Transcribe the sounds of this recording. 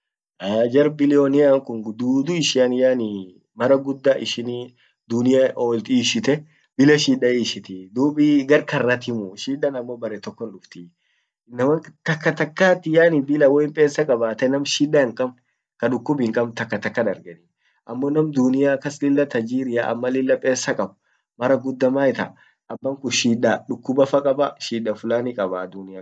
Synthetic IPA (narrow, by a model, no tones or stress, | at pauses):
ad͡ʒɐɾbɪlɪjɔnɪjaːŋkʊnd̪uːd̪ʊɪʃɪɐnɪjaːnɪ | mɐɾɐɡʊd̪ːaːʔɪʃɪniː | d̪ʊnɪjaʔoːlt̪iːʃɪt̪ɛ | bɪlɐʃiːᶑɐiːʃɪt̪ɪd̪uːbiɡɐɾkɐrːɐt̪ɪmʊʃiːᶑɐnɐmːoːbɐɾɛt̪ɔkːɔnᶑʊft̪ɪ | nːɐmɐŋt̪ɐkːɐt̪ɐkːaːt̪ːɪjaːnɪbɪlɐwɔɪmpʼeːsːɐkʼɐbaːt̪ɐnɐmʃiːᶑɐŋkʼɐb | kɐᶑʊkːʊbɪŋkʼɐbt̪ɐkːɐt̪ɐkːɐd̪ɐɾɡɛnɪ | ʔɐmːoːnɐmd̪ʊnɪjakɐslɪlːɐt̪ɐd͡ʒiːɾɪjaʔɐ̰mːɐlɪlːɐpʼeːsːɐkʼɐb | mɐɾɐɡʊd̪ːɐmaːɪt̪ɐ̰ | ʔɐbːɐŋkʊʃiːᶑɐᶑʊkːʊbɐfɐkʼɐbɐʃiːᶑɐfʊlaːnɪkʼɐbaːd̪ʊnɪja